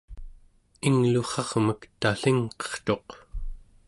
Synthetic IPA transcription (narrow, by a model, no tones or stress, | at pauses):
iŋluχɑʁməkt̪aɬiŋqʌ̥χt̪o̞q